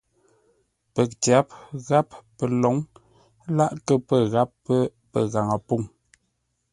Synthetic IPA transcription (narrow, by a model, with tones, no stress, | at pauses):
pə˨k̚tja˨˦pɣa˦pːə˨lɔ˨˦ŋ | la˦ʔkə˦pə˦˨ɣa˦pːə˦pə̰˨ɣa˨ŋə˨pu˦˨ŋ